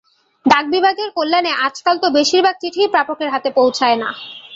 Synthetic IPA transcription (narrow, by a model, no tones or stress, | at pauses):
d̪aɡ̚bibʱaɡeɾkolːaneʔat͡ɕkalt̪obeʃiɾbʱaɡ̚t͡ɕiʈʰipɾapokeɾɦat̪epowt͡ɕʰaena̰